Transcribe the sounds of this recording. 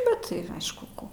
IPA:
ˈbʲɛt tɐɪ ˈɐɪʃkʊ ˈkoː

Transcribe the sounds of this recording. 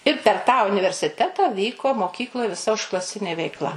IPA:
ɪr pʲɛr tɑː ʊnʲɪʋʲɛrʲsʲɪˈtʲæːtɐ ˈʋʲiːkoː moːˈkʲiːklˠoːj ʋʲɪˈsɐ ʊʃklˠɐˈsʲɪnʲeː ʋʲɛɪkˈlˠɐ

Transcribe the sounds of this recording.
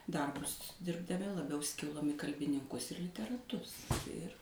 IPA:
ˈdɐrbʊs dʲɪrbdɐˈmʲɪ lˠɐˈbʲɛʊ ˈsʲkʲɪlˠoːm ɪ kɐlʲbʲɪnʲɪŋˈkʊs ɪr lʲɪtʲɛrɐˈtʊs ˈɪr

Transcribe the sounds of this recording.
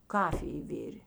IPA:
ˈkɑːfʲɪj ˈʋʲɪrʲeː

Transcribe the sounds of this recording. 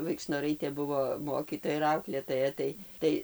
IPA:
ʋɐɪkʃnoːˈrɐɪtʲeː ˈbʊʋoː ˈmoːkʲiːtoːjɛ ɪr ˈɐʊklʲeːtoːjɛ ˈtɐɪ ˈtɐɪ

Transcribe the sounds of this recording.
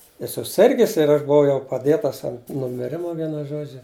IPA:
ɪ sʊˈsʲɪrʲɡʲɪs ɪr ˈɐʃ bʊˈʋɐʊ jɛʊ pɐˈdʲeːtɐs ɐnt nʊmʲɪˈrʲɪmɐ ˈʋʲiɛnʊ ˈʒoːd͡ʒʲʊ

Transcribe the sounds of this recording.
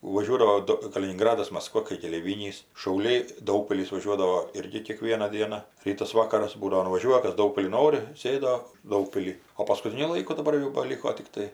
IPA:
ʋɐˈʒʲuɔdɐʋoː ˈdʊ kɐlʲɪnʲɪŋˈɡrɑːdɐs mɐsˈkʋɐ kɐɪ kʲɛlʲɛɪˈʋʲiːnʲiːs ʃɐʊˈlʲɛɪ ˈdɐʊkpʲɪlʲɪs ʋɐˈʒʲuɔdɐʋoː ˈɪrʲɡʲɪ kʲeːˈkʋʲiɛnɐ ˈdʲiɛnɐ ˈrʲiːtɐs ˈʋɑːkɐrɐs ˈbuːdɐʋoː nʊʋɐˈʒʲuɔjɛ ˈkɐs ˈdɐʊkpʲɪlʲɪn ˈnoːrʲɪ ˈsʲeːdoː ˈdɐʊkpʲɪlʲiː oː pɐskʊˈtʲɪnʲʊ ˈlˠɐɪkʊ dɐˈbɐr jɛʊ bɐˈlʲɪkoː tʲɪkˈtɐɪ

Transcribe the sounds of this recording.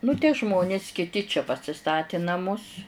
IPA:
nʊ tʲiɛ ˈʒmoːnʲɪs kʲɪˈtʲɪ t͡ʃʲɛ pɐsʲɪˈstɑːtʲɪ nɐˈmʊs

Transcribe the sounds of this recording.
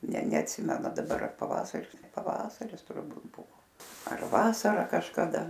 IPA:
nʲɛ nʲɛɐtʲˈsʲɪmʲɛnʊ dɐˈbɐr ɐr pɐˈʋɑːsɐrʲɪs pɐˈʋɑːsɐrʲɪs tʊrˈbuːt ˈbʊʋoː ɐr ˈʋɑːsɐrɐ kɐʃkɐˈdɐ

